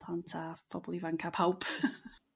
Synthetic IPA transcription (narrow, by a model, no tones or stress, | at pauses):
lˠantʰab̥ɔbɔlˠivankʰapʰhawpʰ